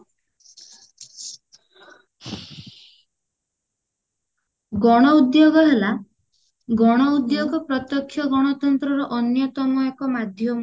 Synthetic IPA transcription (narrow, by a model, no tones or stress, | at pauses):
ɡɔɽ̃ɔud̪joɡɔɦela | ɡɔɽ̃ɔud̪joɡɔpɾɔt̪jɔkʰːjɔɡɔɽ̃ɔt̪ɔnt̪ɾɔɾɔʔɔnjɔt̪ɔmɔekɔmad̪ʱjɔm